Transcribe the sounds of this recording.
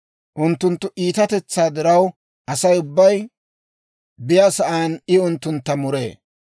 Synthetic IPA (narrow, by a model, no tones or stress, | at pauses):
ʔʊnt̪ːʊnt̪ːʊʔiːt̪ɐt̪ɛt͡sːaːd̪ɪɾɐw | ʔɐsɐjʊbːɐj | bɪjasɐʔaːnɪʊnt̪ːʊnt̪ːɐmʊɾḛː